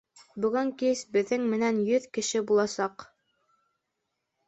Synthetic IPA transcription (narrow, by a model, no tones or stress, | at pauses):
bɵ̆ɡɘŋkisbɘ̆ðːɘŋmɘ̆nænjɵðkɘ̆ʃɘbulˠɑsɑq